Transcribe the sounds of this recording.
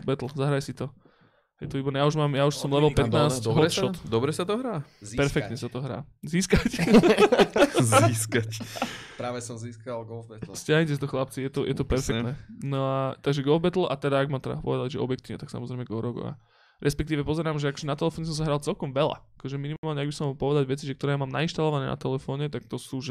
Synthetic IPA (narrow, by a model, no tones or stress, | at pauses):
bɛt̪l̩zaɦɾajsit̪ɔ | ɦɛjt̪ɔʋibɔɾnɛjauʒmaːmjauʃsɔmlɛʋɛlpɛt̪naːsɔʃɔt̪d̪ɔbɾɛsat̪ɔɦɾaːpɛɾfɛkt̪ɲɛsat̪ɔɦɾa̰ː | ziːskac | ziskacpɾaːʋɛsɔmziːskalɡɔɛt̪lscaɦɲit̪ɛst̪ɔxlap̚t͡sijɛt̪ɔjʔɛt̪ɔpɛɾfɛk̪nɛnɔat̪aɡʒɛɡɔlˠvbɛt̪l̩ˠʔat̪ɛd̪aːɡmaːmt̪ɛd̪a̰pɔ̰ʋɛd̪alɟʒɛ̰ɔ̰bjɛk̚t̪iːʋɲɛt̪aksa̰mɔzɾɛɪmɛɡɔɾɔɡɔ̰a̰ | ɾɛspɛk̚t̪iːʋɛpɔzɛɾaːmʒɛakɔ̥ʒɛnat̪ɛlɛfɔːɲɛsɔmsaɦɾaːlˠt͡sɛlkɔmʋɛla̰akɔʒɛminimaalɲɛaɡbisɔmɦɔlˠpɔʋɛd̪aɟʋɛt͡siʒɛkt̪ɔɾɛːmaːmna̰inʃt̪alɔʋanɛːna̰t̪ɛlɛfɔːɲɛt̪ak̚t̪ɔsuːʒɛ